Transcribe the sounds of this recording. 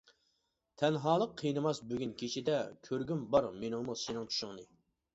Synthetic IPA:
t̪ʰɛnɦɑːlˠəqʰːijnɨmɑsbyɡʲynkʲʰit͡ʃid̪ɛkʲʰøɾɡʲymbɑɾmenɪŋmusenɪŋt͡ʃʰy̥ʃʊŋnɨ

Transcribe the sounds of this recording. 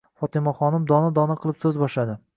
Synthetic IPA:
fɒt̪ɪmaχɒnɪmd̪ɒnɪd̪ɒnaqʰɨlˠɪpsɵzbɒʃlad̪ɪ

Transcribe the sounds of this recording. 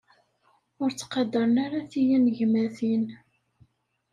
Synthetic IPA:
ʊɾt͡sːqɑd̪ːəɾənaɾaθijænʝmæθin

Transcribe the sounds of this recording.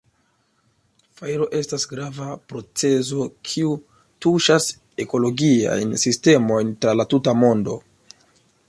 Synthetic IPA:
fajɾo̞ʔe̞stasɡɾavapɾo̞t͡se̞zo̞kʰiu | tuʃas | e̞ko̞lo̞ɡia̰jnsiste̞mo̞jntɾalatutamo̞ndo̞̰

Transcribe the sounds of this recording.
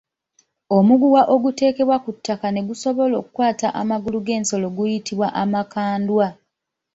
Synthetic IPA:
omuɡuwaʔo̞ɡute̞ːke̞βwakutʰːakane̞ɡuso̞βo̞lo̞ːkukwaːtaʔamaɡuluɡe̞ːnso̞lo̞ɡujitiβwaʔamakaːndwa

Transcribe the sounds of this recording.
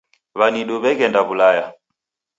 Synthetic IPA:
βaniɗuβɛkɛndaβulaja

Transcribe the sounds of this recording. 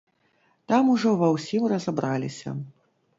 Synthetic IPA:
t̪amuʐɔvɐwsʲimrɐzɐbɾalʲisʲɐ̰

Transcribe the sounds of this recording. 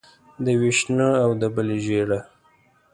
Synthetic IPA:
d̪əwiʃnəawd̪əbəleʒeɽa

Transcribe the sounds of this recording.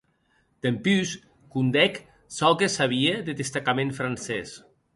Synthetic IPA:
d̪̥empys | kund̪ɛk | sɔlkesaβ̞ieðeðest̪akamẽnfɾansɛs

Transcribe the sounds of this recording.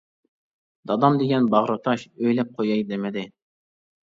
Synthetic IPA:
d̪̥ɑd̪ɑmd̪eɡʲɛnbɑʁɾɑt̪ʰɑʃøjlɛp̚qʰojɑjd̪emɪd̪ɪ

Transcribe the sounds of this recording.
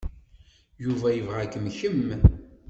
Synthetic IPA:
juvæjəvʁækːəmçəm

